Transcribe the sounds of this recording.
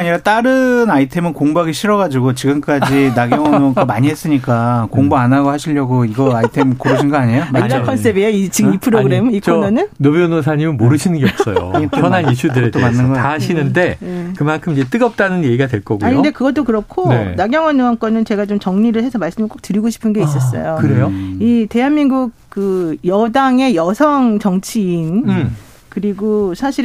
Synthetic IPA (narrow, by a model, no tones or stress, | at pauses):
aɲiɾat͈aɾɯnaitʰe̞mɯnkoŋbuaɡiɕʰiɾʌɣad͡ʑiɡot͡ɕiɡɯmk͈ad͡ʑinaɡʌŋʌnɯaŋ͈ʌmaɲiɦes͈ɯɲik͈akoŋboanaɡohaɕʰiʎjʌɡoiɡʌaitʰemkoɾɯɕʰinɡʌaɲejomakʰʌns͈ebeait͡ɕiɡɯmipʰɯɾoɡɯɾemit͡ɕnnɯnnobjonosʰaɲimɯnmoɾɯɕʰinɯnɡeʌpss͈ʌ̰jo̰ʌnanit͡ɕʰudɯɾet͈omanːɯnɡʌaɕʰinɯnde̞ekɯmankʰɯmid͡ʑe̞t͈ɯɡʌp̚t͈anɯnje̞ɡiɡadwe̞ɭk͈ʌɡuaɲinodekɯɡʌt͈okɯɾʌkʰonenaɡjʌŋwʌnːɯank͈ʌnɯnt͡ɕe̞ɡat͡ɕomt͡ɕʌŋɲiɾɯɭhe̞sʰʌmaɭs͈ɯmɯɭk͈ok̚tɯɾiɡoɕʰi̥pʰɯnɡe̞iss͈ʌs̬͈ʌ̰jokɯɾejoite̞ɦanmiŋɡuk̚kɯjʌdaŋe̞jʌsʰʌŋt͡ɕʌŋt͡ɕʰiːn | kɯɾiɡosʰaɕʰiɾ